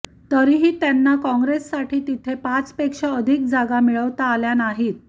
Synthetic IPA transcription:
t̪əɾiːɦiːt̪janːakɔ̃ŋɡɾesːaʈʰiːt̪it̪ʰepat͡spekʂaəd̪ʱik̚d͡zaɡamiɭəʋt̪aːljanaɦiːt̪̚

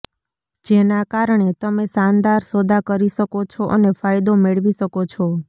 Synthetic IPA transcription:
d͡ʒenakaɾɳ̃et̪əmesand̪aɾsod̪ʱakəɾiʃəkot͡ʃʰɔʔənefajd̪omeɭʋiʃəkot͡ʃʰɔ

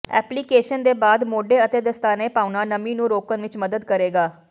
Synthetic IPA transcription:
ɛ̰ːpliːkeːʃənd̪eːbaːd̪moːɖeːət̪eːd̪əst̪aːneːpaːʊnaːnəmĩːnũːɾoːkənʋɪt͡ʃməd̪əd̪kəɾeːɡaː

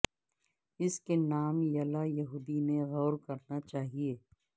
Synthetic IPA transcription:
ɪskenaːmjɐlajɐɦuːd̪ineɣɔːɾkɐɾnat͡ʃaːɦieː

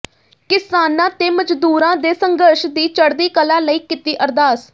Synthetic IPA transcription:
kɪsaːnãːt̪eːməd͡ʒd̪uːɾãːd̪eːsəŋɡəɾʃd̪iːt͡ʃəɽd̪iːkəlaːləiːkɪt̪iːʔəɾd̪aːs

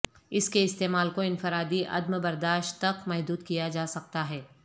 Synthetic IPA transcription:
ɪskeɪst̪eːmaːlkoɪ̃nfɪɾaːd̪iʔɐ̰d̪məbɐɾd̪aːʃtt̪ːɐkmɛɦd̪uːd̪kijad͡ʒaːsɐk̚t̪aɦɛː

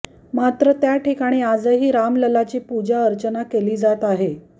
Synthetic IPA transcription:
mat̪ɾət̪jaʈikaɽ̃iːad͡zəɦiːɾamləlat͡ɕiːpud͡ʑaəɾt͡ɕənakeliːd͡zat̪aɦe

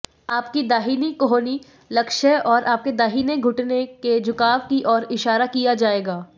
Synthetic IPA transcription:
aːpkid̪aːɦiːnikoɦoːni | lɐkʃəɔːɾʔaːp̚ked̪aːɦiːneɡʱʊʈneked͡ʒʊkaːʋkiʔɔːɾɪʃaːɾakijad͡ʒaːeːɡaː

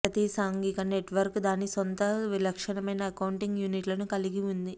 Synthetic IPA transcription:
pɾɐt̪isaːŋɡikɐneʈʋɐɾkd̪aːnːisont̪ɐʋilɐkʂɐnɐmɐjnɐːkɐwuɳʈiŋɡjuːniʈlɐnukɐliɡiund̪i

